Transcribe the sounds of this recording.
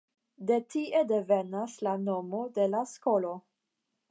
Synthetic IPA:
d̪etiʔed̪evenaslanomod̪elaskolo

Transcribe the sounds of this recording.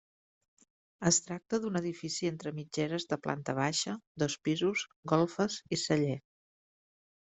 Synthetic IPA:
əst̪ɾak̚t̪əðunəðifisient̪ɾəmid͡ʒɛɾəzðəplʔa̰nt̪əβ̞aʃəd̪ɔspizuzɡɔlˠfəzisəʎe

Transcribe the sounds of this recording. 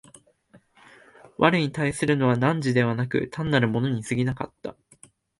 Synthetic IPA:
βʔaɾɯ̟ɲit̪aisɨɾɯ̟no̞βanãɲ̟d͡ʑid̪e̞βanakɯ̟̰t̪ʰãnːaɾɯ̟mo̞no̞ɲ̟isɨɡʲinaka̰t̪ːa̰

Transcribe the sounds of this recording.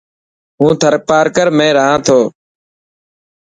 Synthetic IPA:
ɦũːt̪ʰəɾpaːɾkəɾmẽːɾəɦãːt̪ʰoː

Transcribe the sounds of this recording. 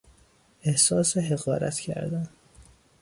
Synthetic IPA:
ehsɒːseɦeɣɒːɾæ̰t̪ʰcʰæ̰ɾd̪æn

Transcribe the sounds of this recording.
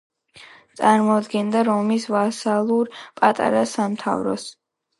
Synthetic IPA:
t̪sʼaɾmɔd̪ɡɛnd̪aɾɔmisvasalˠuɾpʼat̪ʼa̰ɾasamt̪ʰa̰vɾɔ̰s

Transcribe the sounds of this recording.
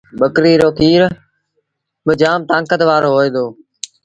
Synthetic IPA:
ɓəkɾiːɾoːkiːɾ | ɓɪd͡ʒaːmt̪ãːŋkət̪ʋaːɾoːɦoːeːd̪oː

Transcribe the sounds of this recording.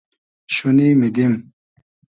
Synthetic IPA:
ɕuniːmid̪im

